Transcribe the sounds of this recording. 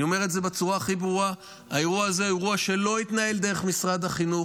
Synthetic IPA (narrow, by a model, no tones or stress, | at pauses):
o̞me̞ʁ̞etze̞bet͡suʁaːχibʁua | aeʁuaːzeeʁuaʃe̞lo̞it̪nae̞ld̪eʁe̞χmisʁad̪haχinu